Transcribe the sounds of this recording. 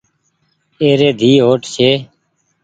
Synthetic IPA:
eːɾeːd̪ʱiːɦoːʈʰʃʰeː

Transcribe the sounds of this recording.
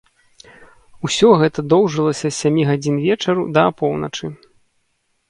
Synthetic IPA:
usʲɔɣɛt̪ɐd̪ɔwʐɨlˠɐsʲɐsʲamʲiɣad͡zʲinvʲɛt͡ʂɐɾud̪ɐapɔwnɐt͡ʂɨ

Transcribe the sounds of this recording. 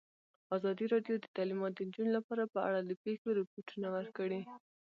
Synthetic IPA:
azɑd̪iɾɑɖjod̪ət̪ɑlimɑt̪̚d̪ənd͡ʒunolapɑɾapəa̰ɽad̪əpexoɾɪpoʈunawəɾkəɽi

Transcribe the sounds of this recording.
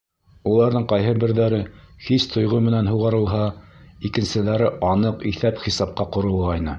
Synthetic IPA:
ulˠɑɾðɤɴqɑjɦɤbɘ̆ɾðæɾɘhist̪ʰŏjʁɤmɘ̆nænɦuʁɑɾɤ̆lˠɦɑikɘ̆nsɘ̆ðæɾɘʔɑnɤqiθæpχisɑp̚qɑqŏɾɤ̆lˠʁɑjnɤ

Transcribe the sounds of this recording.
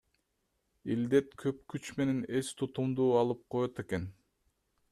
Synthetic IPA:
ild̪e̞t̪kʰøp̚kyt͡ʃme̞ne̞ne̞st̪ʰut̪umd̪uːɑlˠɯp̚qʰo̞jot̪e̞ke̞n

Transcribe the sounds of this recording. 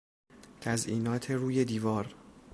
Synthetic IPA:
t̪ʰæzʔiːnɒːt̪ʰeɾuːje̞d̪iːvɒːɾ

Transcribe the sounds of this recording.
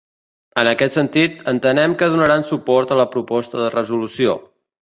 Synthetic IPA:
ənəkɛt̪sənt̪it̪ənt̪ənɛmkəð̞unəɾansupɔɾt̪ələpɾupɔst̪əðərəzulusio̰

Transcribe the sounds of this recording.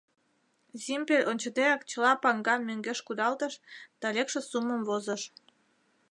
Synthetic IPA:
zimpelʲʔonʲt͡ɕəd̪eɾɑkt͡ɕəlɑpɑŋɡɑmøŋɡeʃkud̪ɑlt̪əʃt̪ɑlʲekʃĕsuməmvozəʃ

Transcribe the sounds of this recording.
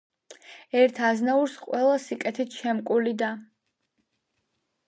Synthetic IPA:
ɛɾt̪ʰaznauɾsqʼwɛlˠasikʼɛt̪ʰit̪ʰʃɛmkʼulid̪a

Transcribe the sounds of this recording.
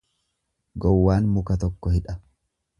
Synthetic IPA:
ɡɔwːaːnmʊkɐt̪̬ɔkːɔhɪᶑɐ

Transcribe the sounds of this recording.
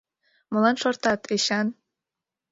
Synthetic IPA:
mŏlɑnʃort̪ɑt̪ʰeɕɑn

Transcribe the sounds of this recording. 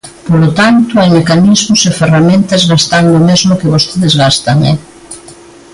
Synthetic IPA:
polot̪ant̪ʊajmekanizmʊseferamẽnt̪ɐzɣast̪and̪ʊmezmʊkɪβost̪eðezɣast̪ɐŋɛ̰

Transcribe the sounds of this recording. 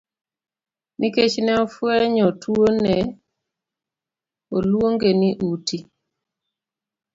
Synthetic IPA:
nʔiket͡ʃnɛɔfwɛɲɔtwonɛ | olwoŋɡeniʔuti

